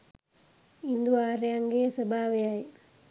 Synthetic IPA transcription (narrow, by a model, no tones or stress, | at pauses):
ind̪uʋaːɾejaŋɡeːsəbʱaːʋejaj